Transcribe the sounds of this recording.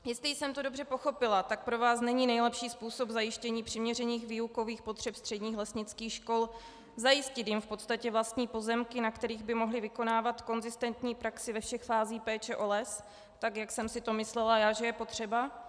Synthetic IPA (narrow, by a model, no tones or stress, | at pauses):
jɛst̪lɪjɪsɛmt̪o̞do̞brɛpo̞xo̞pɪlat̪ak̚pɾo̞vaːsnɛɲiːnɛjlɛpʃiːspuːso̞bzajɪʃcɛɲiːpr̝̥ɪmɲɛrɛɲiːxviːuko̞viːxpo̞t̪r̝̥ɛpst̪r̥ɛdɲiːxlɛsɲɪt͡skiːxʃko̞l | zajɪscɪt̪jɪmfpo̞t̪st̪acɛvlast̪ɲiːpo̞zɛmkɪnakt̪ɛɾiːɣbɪmo̞ɦlɪvɪko̞naːvat̪ko̞nzɪst̪ɛnt̪ɲiːpɾaksɪvɛfʃɛxfaːziːpɛːt͡ʃɛʔo̞lɛs | t̪akjaksɛmsɪt̪o̞mɪslɛlajaːʒɛjɛpo̞t̪r̥ɛba